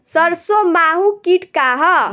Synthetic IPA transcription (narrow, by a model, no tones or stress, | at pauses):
sʌɾsomaɦũkiʈkaɦʌ